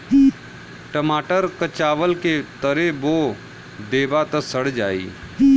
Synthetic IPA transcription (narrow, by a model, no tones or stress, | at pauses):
ʈəmaːʈəɾkət͡ʃaːʋəlket̪əɾeboː | d̪eːbat̪əsəɽ̤d͡ʒaːḭː